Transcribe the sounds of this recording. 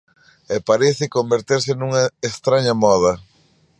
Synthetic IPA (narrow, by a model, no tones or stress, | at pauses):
epaɾeθɪkombeɾt̪eɾsɪnuŋɐest̪ɾaɲɐmɔðɐ